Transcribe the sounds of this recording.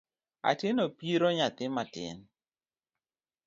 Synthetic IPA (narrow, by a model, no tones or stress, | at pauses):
a̰tɪnopiɾoɲat̪ɪmatɪ̰n